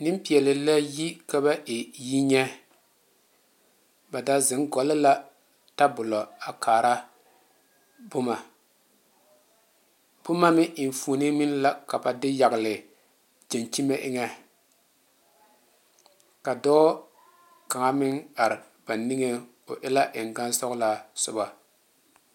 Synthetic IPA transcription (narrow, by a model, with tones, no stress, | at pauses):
nɪ˦m˦pi˨ɛ˨lɪ˨la˦ji˦ka˦ba˦ʔɪ˨ji˦ɲɛ˦ | ba˨da˦zɪ˨ŋɡɔ˨lɪ˦la˦ | ta˦bʊ˨lɔ˨a˨kʰaː˨ɾa˦ | bʊ˦ma˨ | b̥ʊ˦ma˦mɪ˦ʔɪ˨n˨fuː˨˦nɪ˦mɪ˦nla˦ka˨ba˨dɪ˦ja˨ɡɪ˨lɪ˨ | d͡ʒe˨nt͡ʃi˦me˦ʔɪ˦ŋɛ˦ | ka˨dɔː˦ | ka˨ŋa˦mɪ˦ŋa˨ɾɪ˨ | b̥a˨ni˦ŋe˦ | ʊ˨ʔɪ˦la˦ʔɪ˨ŋ˨ɡa˦nsɔ˦ɣla˦sʊ˦ba˨